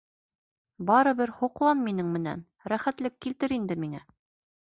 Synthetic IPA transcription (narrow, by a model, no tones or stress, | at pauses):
bɑɾɤ̆βɘɾhuqlˠɑnminɘŋmɘ̆næ̰n | ɾæχæt̪lɘkːilt̪ɘɾind̪ɘmiŋæ